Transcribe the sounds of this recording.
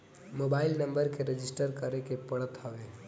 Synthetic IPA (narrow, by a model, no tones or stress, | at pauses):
moːbaːɪlnɐ̃mbəɾkeɾed͡ʒɪsʈəɾkəɾekepɐɽət̪ɦəʋeː